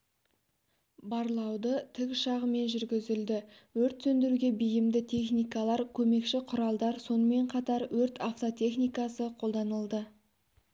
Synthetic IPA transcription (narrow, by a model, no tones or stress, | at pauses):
bɑɾlˠɑwd̪ət̪ʰɪkʲʃɑʁəme̞nʒʏɾɡʲɪzɪld̪ɪ | wɵɾt̪sɵnd̪ɪɾuɡʲe̞bɪjɪmd̪ɪt̪ʲʰe̞χnijkɑlˠɑɾkʲʰɵme̞kʃɪqʰʊɾɑlˠd̪ɑɾso̞nəme̞ɴqʰɑt̪ɑɾwɵɾt̪ʰaft̪o̞t̪ʰe̞χnijkɑsəqʰo̞lˠd̪ɑnəlˠd̪ə